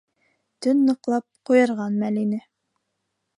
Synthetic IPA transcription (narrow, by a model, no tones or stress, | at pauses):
t̪ɵnːɤ̆qlˠɑp̚qujɤ̆ɾʁɑnmælinɘ